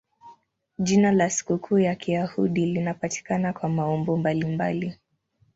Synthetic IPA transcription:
ʄinalasi̥kukʰuːjakijahuɗilinapati̥kanakwamaɔmbɔmbalimba̰li

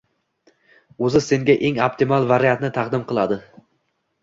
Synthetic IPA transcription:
ɵzɪse̞ŋɡʲaʔe̞ŋopt̪ʰɪmalˠvaɾijat̪nɪt̪ʰɑqd̪ɪmqʰɨlˠad̪ɪ

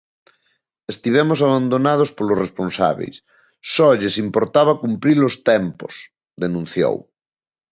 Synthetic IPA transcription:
est̪iβ̞ɛmosaβand̪onað̞ospolosresponsa̰βḛjs | sɔʎesimpoɾt̪aβakumpɾiɾlost̪ɛmpo̰s | ðenũn̟θjo̰w

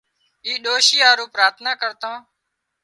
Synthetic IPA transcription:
iːɗoːʃiːaːɾũːpɾaːt̪ʰnaːkəɾt̪ãː

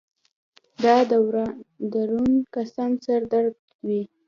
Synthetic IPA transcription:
d̪ɑd̪awɾd̪aɾunkasɑnsaɾd̪aɾɡ | wi

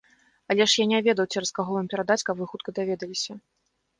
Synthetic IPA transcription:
ɐlʲɛʂjanʲɛvʲɛd̪ɐwt͡sʲɛɾɐskaɣɔvampʲɛɾad̪at͡sʲkabvɨxut̪̚kɐd̪avʲɛd̪ɐlʲisʲɐ

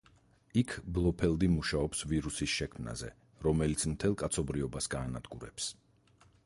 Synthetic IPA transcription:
ikʰblˠɔpʰɛlˠd̪imuʃaɔpsviɾusisʃɛkʰmna̰zɛ̰ | ɾɔmɛlit̪sʰmt̪ʰɛlˠkʼat̪sʰɔbɾiɔbasɡaːnad̪̥ɡuɾɛ̰ps

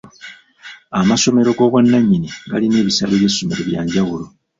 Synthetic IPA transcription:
amaso̞me̞ɾo̞ɡo̞βwanːaɲːiniɡa̰line̞ːβisaleβjesomeɾe̞βjaːɲɟawulo̞

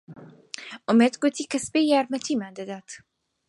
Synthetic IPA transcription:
ʔʊmeːd̪ɡʊt̪ʰiːkʰɐsbejjaːɾmɐt̪ʰiːmaːnd̪ɐd̪aːt̪

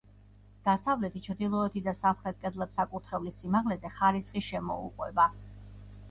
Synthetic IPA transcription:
d̪̥asavlɛt̪ʰit͡ʃʰɾd̪ilˠɔɛt̪ʰid̪asapχɾɛt̪̚kʼɛd̪lɛpsakʼuɾt̪ʰχɛvlisimaʁlɛzɛχaɾisχiʃɛmɔ̰ṵqʼwɛba

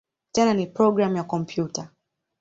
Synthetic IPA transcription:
tɛnanipɾɔɡɾamjakɔm̩pʰjuta

